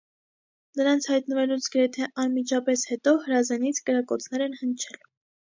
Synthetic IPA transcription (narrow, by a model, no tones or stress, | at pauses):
nəɾɑnt͡sʰhɑjt̪nəvɛlut͡sʰɡəɾɛt̪ʰɛʔɑnmit͡ʃʰɑpɛshɛt̪ɔhəɾɑzɛnit͡sʰkəɾɑkɔt͡sʰnɛɾɛnhənt͡ʃʰɛl